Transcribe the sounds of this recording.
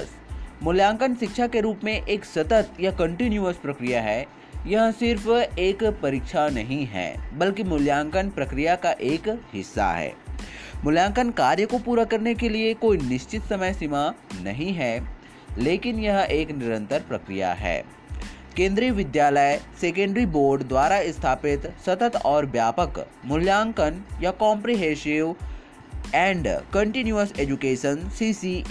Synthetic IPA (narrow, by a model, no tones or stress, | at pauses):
s | mʊljãːŋkənʃɪkʃakeɾuːpmẽʔeːksɐt̪ət̪jakɐ̃ɳʈɪnjuəspɾɐkɾijaɦɛː | jɐɦə̃sɪɾfeːkpɐɾɪkʃʰanɐɦĩɦɛ̰ːbɐlkimʊljãːŋkənpɾɐkɾijakaʔeːkhɪsːa̰ɦɛ̰ː | mʊljãːŋkənkaːɾjəkopuːɾakɐɾnekeliekoːinɪʃt͡ʃɪt̪sɐməjsɪmanɐɦĩɦɛː | leːkɪnjɐɦʔeːknɪɾə̃nt̪əɾpɾɐkɾḭja̰ɦɛ̰ː | kẽːnd̪ɾijəʋɪd̪jaːləjseːk̬ẽɳɖɾiboːɾɖd̪waːɾaɪst̪ʰaːpɪt̪sɐt̪ət̪ɔːɾbjaːpəkmʊljãːŋkənjakɔːmpɾiɦeːʃɪʋ | ɛ̃ːɳɖkɐ̃ɳʈɪnjuəseːd͡ʒukeːʃənsiːsi